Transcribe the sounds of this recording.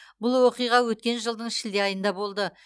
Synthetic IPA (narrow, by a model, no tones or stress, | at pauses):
bʊlˠwo̞qijʁɑwɵt̪̚kʲe̞nʒəlˠd̪əɴɪʃɪld̪eɑjənd̪ɑbo̞lˠd̪ə